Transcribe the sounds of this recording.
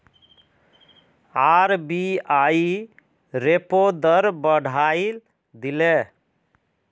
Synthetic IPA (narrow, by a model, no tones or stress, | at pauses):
aɾbiai | ɾepod̪əɾbəɽ̤ʱail | d̪ile